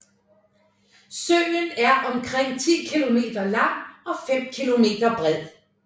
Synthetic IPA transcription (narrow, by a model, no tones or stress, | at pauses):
søɪnæɐʔɒ̽mkʰʁɛŋ̰t͡sʰḭːkʰilo̝me̝̰ːd̥ɐlɑ̈ŋ̰ɒ̽fem̰kʰilo̝me̝̰ːd̥ɐb̥ʁɛð̰ˠ